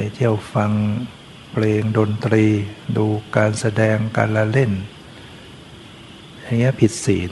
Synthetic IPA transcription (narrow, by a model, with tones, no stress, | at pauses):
jt̪ʰi˥˩əwfa˧ŋ | pʰleː˧ŋdo˧nt̪ɾiː˧duː˧kaː˧nsa˧dɛː˧ŋka̰ː˧nla˧le˥˩n | a˨˧˩ŋi˦˥ɐ˨pʰi˨˩t̪̚siː˩˦t̪